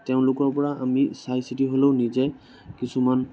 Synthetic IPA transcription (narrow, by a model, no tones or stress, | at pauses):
tɛʊ̃lʊkɔɹpɔɹaʔamisajsitiɦoloʊnizɛ | kisuman